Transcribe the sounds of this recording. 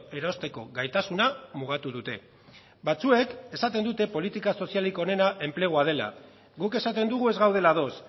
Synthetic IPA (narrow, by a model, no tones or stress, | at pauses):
e̞ɾost̪e̞ko̞ɣajt̪asunamuɣ̞at̪uðut̪e̞ | bat͡sue̞ke̞sat̪e̞nd̪ut̪e̞po̞lit̪ikaso̞sialiko̞ne̞naʔe̞mple̞ɣ̞oað̞e̞la̰ | ɣuke̞sat̪e̞nd̪uɣ̞ue̞zɣawð̞e̞laðo̞s